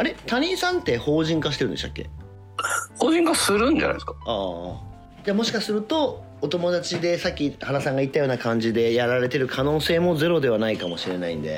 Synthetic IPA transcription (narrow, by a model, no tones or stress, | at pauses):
aɾe̞t̪aɲ̟iːsãnt̪e̞ho̞ːʑĩŋkaɕi̥t̪e̞ɾɯ̟neɕt̪ḁ̰kːe̞̰ | hoːʑĩŋkasɨɾɯ̟̃ɲd͡ʒana̰jd̪eskḁaː | d͡ʑamo̞ɕi̥kasɨɾɯ̟t̪o̞ː | t̪o̞mo̞d̪at͡ɕid̪e̞sakʲːihaɾasãŋɡait̪ːajo̞ːnakãɲ̟d͡ʑid̪e̞jaɾaɾe̞t̪e̞ɾɯ̟kʰano̞ːse̞ːmo̞d͡zze̞ɾo̞d̪e̞β̞anaikamo̞ɕiɾe̞naḭ̃nd̪e̞̰